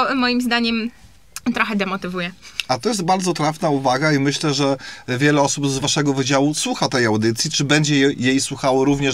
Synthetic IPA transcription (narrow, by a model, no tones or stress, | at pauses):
mɔjimzd̪aɲɛm | t̪ɾɔxɛd̪ɛmɔt̪ɘvujɛat̪ɔjɛs̬t̪̚baɾd̪zɔt̪ɾafnauvaɡaimɘɕlɛʐɛvʲjɛlɛɔsubzvaʂɛɡɔvɘd͡ʑawuswuxat̪ɛjawd̪ɘt̪sʲjit͡ʂɘbɛɲd͡ʑɛɛjejswuxawɔɾuvɲɛ